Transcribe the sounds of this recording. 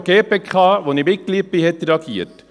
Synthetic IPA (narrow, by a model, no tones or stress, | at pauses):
ɡ̥eːpekχɑːʋonimɪkːlipɪhɛtɾeɑɡḭət